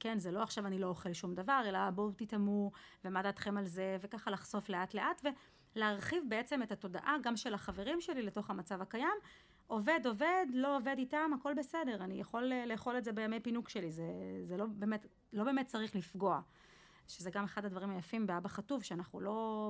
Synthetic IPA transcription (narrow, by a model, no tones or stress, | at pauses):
ke̞nzelo̞aχʃavanilo̞oχelʃumdavaʁe̞labotitamu | vemadat̪χemalze̞ve̞kaχalaχz̥o̞fle̞atleʔatve̞ | leaʁχivbeet͡seme̞tato̞da̰ʔaɡamʃe̞laχave̞ʁimʃe̞lileto̞χamat͡savakajam | ʔo̞ve̞do̞ve̞dlo̞ove̞ditamako̞lbe̞se̞de̞ʁanijaχo̞lːeːχo̞letzebejame̞jpinukʃe̞lizezelo̞beːmet | lo̞be̞ːmet̚t͡saʁiχlifɡo̞a | ʃezeɡame̞χadad̪vaʁimhajafimbeabaχatuvʃeanaχnṵlo̞